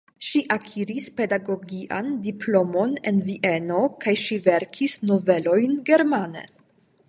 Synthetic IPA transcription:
ʃiʔakʰiɾispe̞daɡo̞ɡiʔa̰ndiplo̞mo̞nḛnviʔeno̞kajʃiveɾkʰisnove̞lo̞jnɡe̞ɾmanḛ

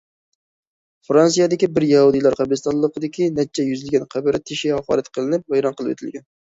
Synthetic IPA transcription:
fɾɑns̬ijɛd̪ɪkʲibɪɾjɛhud̪ɨjlˠɑɾqɑbɾɨst̪ʰɑnlˠːəqəd̪ɪkʲinɛt͡ʃʰːɛjyzɪlɡʲɛnqʰæbɪɾɪt̪ʰːɪʃihɑχɑ̰ɾɛt̪qʰəlˠɨnɪp̚vɑjɾɑnqəlˠɨpwḛt̪ʰɪlɡʲɛn

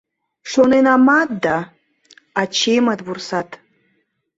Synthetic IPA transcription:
ʃonenamat̪̚d̪a | at͡ɕʰemat̪βursat̪

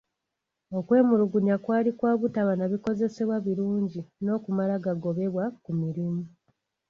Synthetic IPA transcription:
o̞kwe̞ːmuɾuɡuɲakwaːlikwaːβutaβanaβiko̞ze̞se̞βwaβiɾuːɲɟino̞kumalaɡaɡo̞βe̞βwakumiɾimu

